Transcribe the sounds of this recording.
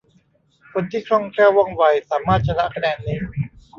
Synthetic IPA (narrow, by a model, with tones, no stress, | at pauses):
kʰo˧nt̪ʰiː˥˩kʰɾɔ˥˩ŋkʰɾɛː˥˩wɔ˥˩ŋwa˧jsaː˩˦maː˥˩t̪̚t͡ɕʰa˧la˦˥ʔkʰa˧dɛː˧nːi˧˥˩